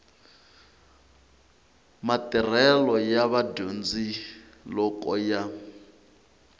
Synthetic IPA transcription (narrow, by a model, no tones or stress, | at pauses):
matʼɛr̤ɛlɔjaβadond͡zi | lɔkʼɔja